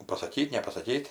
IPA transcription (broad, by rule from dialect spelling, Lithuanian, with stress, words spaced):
pɐsɐˈkʲiːtʲ nʲɛpɐsɐˈkʲiːtʲ